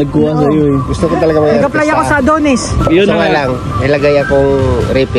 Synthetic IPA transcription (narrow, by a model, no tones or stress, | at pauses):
nɐɡ̚kuɐsɐjoɡʊst̪okot̪ɐlɐɡamɐɐɡɐplɐjɐkosɐd̪oːnɪsjʊoŋalɐŋ | ɪlɐɡajɐkoŋɾɛːpɪ